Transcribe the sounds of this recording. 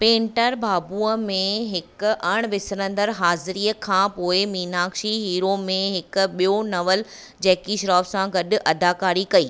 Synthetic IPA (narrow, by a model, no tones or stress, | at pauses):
pẽːɳʈəɾbʱaːbuːəmẽɦɪkʊɐɽ̃ʋɪsɾə̃nd̪əɾɦaːzɪɾiːəkʰãːpoːɪmiːnaːkʃiɦiːɾomẽɦɪkɓijonɐʋəl | d͡ʑɛːkiʃɾaːfsãɡɐɗʊ̆ʔɐd̪aːkaːɾikɐiː